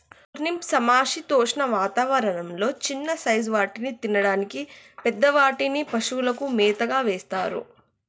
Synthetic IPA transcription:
ɾnimsɐmaːʂit̪oːʂnɐʋaːt̪aːʋɐɾɐɳɐmlo̞ːt͡ʃinːɐsɐjzʋaːʈinit̪inɐɽaːnikipɛd̪ːɐʋaːʈinipɐʂulɐkumɛːt̪ɐɡaːʋeːst̪aːɾṵ

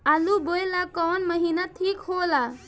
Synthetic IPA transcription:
aluboelakɔːnməɦiːnat̪ʰiːkhoːla

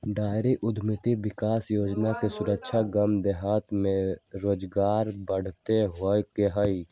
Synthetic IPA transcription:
ɖaːɪɾiʔʊd̪ʱmɪt̪iʋɪkaːsjoːd͡ʒnakesʊɾəkʃʰaɡəmd̪ɛɦaːt̪mẽɾoːd͡ʒɡaːɾbəɽ̤t̪eɦokeɦəi

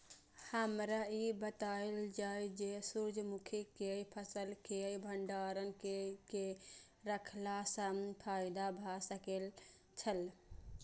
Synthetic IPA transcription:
həmɾaibət̪aeld͡ʒajd͡ʒesuɾd͡ʒʱmukʰikejpʰəsəlkeəibʱəɳɖaɾənkeke | ɾəkʰlasəpʰajd̪abʱasəkel | t͡ʃʰəl

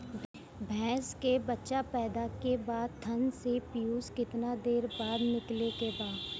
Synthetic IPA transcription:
bʱɛːskebɐtːʃapɛːd̪akebaːd̪̚t̪ʰə̃nsepɪjuːskɪt̪nad̪eːɾbaːd̪nɪklekebaːd̪

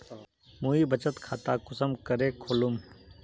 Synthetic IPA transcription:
muːibət͡ʃət̪kʰaːt̪akʊsəmkəɾeːkʰoːlum

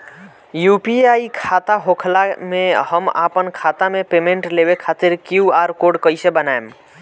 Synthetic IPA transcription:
jupiaikʰat̪aɦokʰlamehəma̰pənkʰat̪amepemeɳʈlebekʰat̪iɾkjuaɾkoɖkəjsebənaem

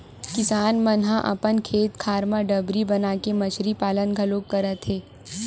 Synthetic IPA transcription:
kɪsaːnmənɦãʔɐ̰pənkʰeːt̪kʰaːɾmãɖɐbɾibɐnaːkemɐt͡ʃɾipaːlənɡʱɐloːkːɐɾət̪ɦeː

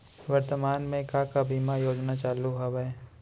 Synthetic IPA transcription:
ʋɐɾt̪əmaːnmẽkakabʱiːmajoːd͡ʒnat͡ʃaːluɦɐʋɛe

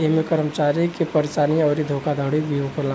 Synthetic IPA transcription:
eɦmekəɾmət͡ʃaɾikepəɾt͡ʃaniəʊɾid̪ʱokʰad̪ʱəɽibiokelã

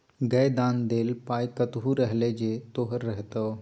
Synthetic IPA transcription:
ɡɐd̪ãːnd̪eːlpaːjkət̪ɦuɾəɦled͡ʒeːt̪oːɦɾːəɦt̪ə

